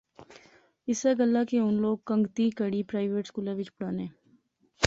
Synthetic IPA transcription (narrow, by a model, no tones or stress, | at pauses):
ɪseɡəlːakeʊnloːɡ̚kə̃ŋɡt̪ikəɽipɾaːɪʋeːʈskuːlaʋɪt͡ʃpʊɽaːnẽː